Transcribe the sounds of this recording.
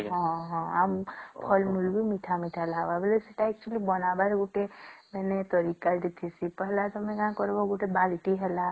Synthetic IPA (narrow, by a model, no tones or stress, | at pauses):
ɦɔ̃ɦɔ̃ampʰɔlmulbʱimiʈʰamiʈʰalaɡbabelesiʈaɛk̚t͡ʃulibɔnabaɾɡuʈemɛnet̪ɔɾikad̪et̪ʰisipɔɦlat̪ɔmẽkããkɔɾbɔɡuʈebalʈiɦela